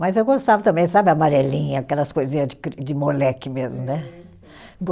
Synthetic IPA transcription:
mɐjzewɡost̪avɐt̪ɐ̃mbẽj̃sabɪɐmaɾelĩɲɐkɛlɐskojzĩɲɐzd͡ʒɪkɾd͡ʒɪmolɛkɪmezmʊnɛ | ɡ

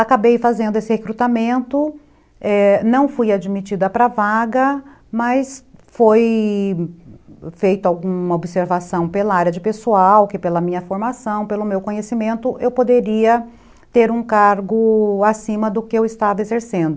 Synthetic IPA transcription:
akabejfazẽnd̪ʊesɪhekɾut̪amẽnt̪ʊ | ɛnɐ̃w̃fujad͡ʒimit͡ʃid̪ɐpɾɐvaɡɐ | mɐsfoj | fejt̪ʊawɡũmɐobiseɾvasɐ̃w̃pelɐaɾjɐd͡ʒɪpesuawkɪpelɐmĩɲɐfoɾmasɐ̃w̃pelʊmewkõɲesimẽnt̪ʊʔewpod̪eɾiɐ | t̪eɾũkaɾɡʊasĩmɐd̪ʊkɪewɪst̪avɐezeɾsẽnd̪ʊ

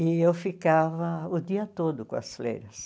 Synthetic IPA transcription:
ɪewfikavɐʊd̪iɐt̪od̪ʊkõɐ̰sflḛjɾɐs

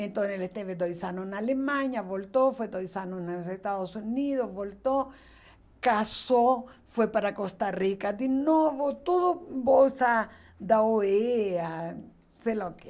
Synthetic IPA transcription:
ent̪onelest̪eved̪ojsanonalemãɲaβolt̪ofwed̪ojsanosnsest̪aðosuniðozβolt̪o | kasofwepaɾakost̪arikad̪inoβot̪uðobolsa | d̪aoea | seloke

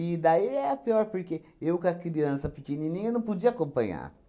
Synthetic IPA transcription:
id̪aiɛapiɔɾpoɾkeewkakiɾiɐ̃nsɐpikininĩenɐ̃pud͡ʒiɐakõmpɐ̃ɲa̰

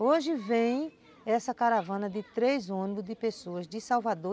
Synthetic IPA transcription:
oʒɪvẽj̃ | ɛsɐkaɾavɐ̃nɐd̪ɪt̪ɾejzõnibʊzd̪ɪpesoɐzd̪ɪsawvad̪o

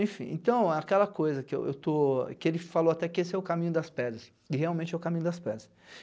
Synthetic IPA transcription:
ẽj̃fḭ̃ḛ̃t̪ɐ̃w̃ɛakɛlɐkojzɐkɪḛwḛwt̪okɪelɪfalowat̪ɛkɪesɪɛʊkamĩɲʊd̪ɐspɛd̪ɾɐs | ɪheawmẽt͡ʃɛʊkamĩɲʊd̪ɐspɛd̪ɾɐs

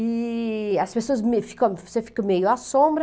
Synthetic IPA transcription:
iɐspesoɐzmefi̥kɐ̃w̃vosefi̥kɐmejʊasõmbɾ

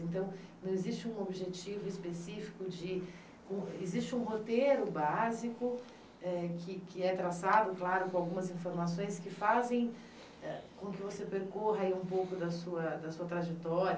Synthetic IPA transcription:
ẽnt̪ɐ̃w̃nɐ̃w̃ezist͡ʃɪũobiʒet͡ʃivʊispesifi̥kʊd͡ʒɪ | kõezist͡ʃɪũɦot̪eɾʊbazikʊ | ɛkʰɪkɪɛt̪ɾasad̪ʊklaɾʊkõawɡũmɐzĩfoɾmasõj̃skɪfazẽj̃ | ɛkõkɪvosepeɾkoɦɐaiũpowkʊd̪ɐsuɐd̪ɐsuɐt̪ɾaʒet̪ɔɾɐ

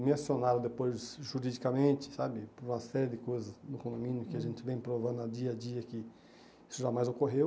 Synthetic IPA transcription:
mãsionaɾɐ̃d̪epojzʒuɾid͡ʒikamẽnt͡ʃɪ̥sabɪpʊɾũmɐsɛɾɪd̪ɪkojzɐsnʊkõd̪omĩnjʊkɪaʒẽnt͡ʃɪvẽj̃pɾovɐ̃d̪ʊad͡ʒiɐd͡ʒiɐkɪ | isʊʒamajzokoɦew

